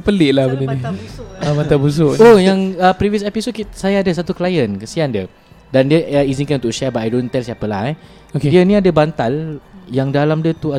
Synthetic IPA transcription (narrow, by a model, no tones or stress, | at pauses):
pəlɪʔlahbənəniamant̪abus̬oʔojaŋəpɾiviəsɛpisod̚kisajaːdəs̬at̪uklajənkəsiandiə | dandiəəizinkanunt̪ʊʔʃɛbaʔadont̪ɛlsiapəla̰hɛ | okediənĩadəbant̪aljaŋdalamdiət̪ua